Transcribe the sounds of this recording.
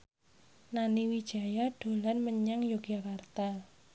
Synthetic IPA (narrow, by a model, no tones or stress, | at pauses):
naniwid̥ʒ̥a̤jaɖ̥o̤lanməɲaŋjoɡ̥jakart̪al